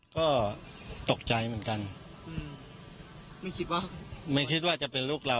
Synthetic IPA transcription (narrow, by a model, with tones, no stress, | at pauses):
kɔː˥˩ | t̪o˨˩k̚t͡ɕa˧jmɯ˩˦ənka˧n | ʔɯː˧˩m | ma˥˩jkʰi˦˥t̪̚wa˥˩ma˥˩jkʰi˦˥t̪̚waː˥˩t͡ɕa˨˩pe˧nluː˥˩k̚laː˧